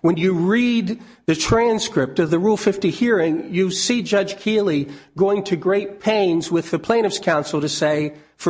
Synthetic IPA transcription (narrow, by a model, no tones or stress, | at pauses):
wə̃njɨɹid̪̚ | ðɨtʰɹ̥æ̃nskɹɪp̚tʌvðɨɹulˠfɪftihiɹɪ̃ŋjɨsid͡ʒʌʒ̥kʰilˠiɡ̥oʊɪ̃ŋtʰɨɡɹeɪt̚pʰẽɪ̃nzwɨðɨpʰl̥ẽɪ̃ɾ̃ɨfskʰãʊ̃nsl̩ˠɾɨseɪ | fə